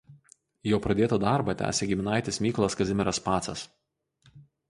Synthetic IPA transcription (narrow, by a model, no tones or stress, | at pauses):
joːpɾɐd̪ʲeːt̪ɐd̪ɑˑɾbɐt̪ʲæ̰ːsʲeɡʲɪmʲɪnɑˑɪt̪ʲɪsmʲiːklˠɐskɐzʲɪmʲɪɾɐspɑːt̪sɐs